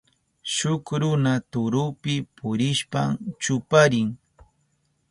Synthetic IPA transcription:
ʃʊkɾʊnat̪ʊɾʊpɪpʊɾɪʃpamt͡ʃʊpaɾɪŋ

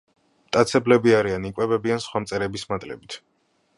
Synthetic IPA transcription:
mt̪ʼat̪sʰɛblɛbiaɾianikʼwɛbɛbiansχwamt̪sʼɛɾɛbismat̪ʼlɛ̰bit̪ʰ

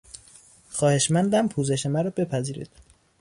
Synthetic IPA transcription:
xɒːheʃmænd̪æmpʰuːze̞ʃemæɾɒːbe̞pʰæziːɾḭːd̪̥

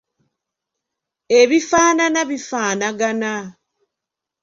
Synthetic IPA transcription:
eβifaːnanaβifaːnaɡana

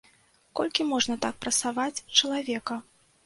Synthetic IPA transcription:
kɔ̰lʲkʲimɔʐnɐt̪ak̚pɾɐt̪savat͡sʲt͡ʂɐlˠavʲɛkɐ

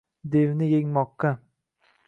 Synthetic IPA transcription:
d̪evnɪjeŋmɒqːɑ

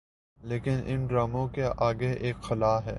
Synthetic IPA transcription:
leːkɪnʔɪ̰nɖɾaːmõkeʔaːɡeeːkxɪlaːɦɛ̰ː

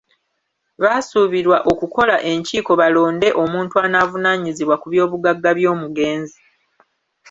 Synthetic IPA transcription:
βaːsuβiɾwaʔo̞kuko̞laʔe̞ɲciːko̞βalo̞ːnde̞ʔo̞muːntuaːnaːvunaːɲiziβwakuβjo̞ːβuɡaɡːaβjo̞ːmuɡe̞ːnzi

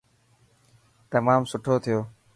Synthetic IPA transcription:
t̪əmaːmsʊʈʰoːt̪ʰɪjoː

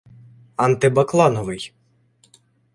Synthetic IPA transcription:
ɐnt̪ɪbɐklˠɑnɔʋɪj

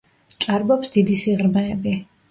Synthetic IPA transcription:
t͡ʃ̪ʼaɾbɔpsd̪id̪isiʁɾmɛːbi

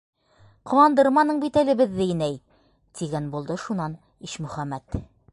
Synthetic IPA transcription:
qŏwɑnd̪ɤ̆ɾmɑnɤɴbit̪ælɘ̆bɘðːɘɘnæj | t̪iɡænbulˠd̪ɤʃunɑn | iʃmɵ̆χæmːæt̪

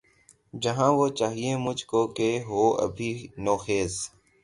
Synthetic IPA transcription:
d͡ʒəɦãːʋoːt͡ʃaːɦieːmʊd͡ʒʱkoːkeːɦoːə̰bʱiːnoːxeːs

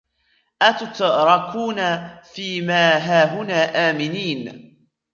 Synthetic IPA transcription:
ʔat̪ʊt̪ɾˤɑkʰuːnafiːmaːɦaːɦʊnaːʔaːmɪniːn

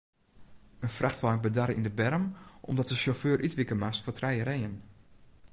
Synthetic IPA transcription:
ənfraxtʋaːbədaɾəindəbɛrəmʔɔ̰mdɔt̚dəʃoføːɾʔytʋɪkəmastfotrɛjəɾɛjən

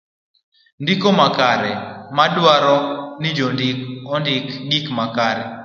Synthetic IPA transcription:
ndikomakaɾɛmadwaɾɔnɪd͡ʒɔndɪkɔndɪkɡikmakaɾɛ̰

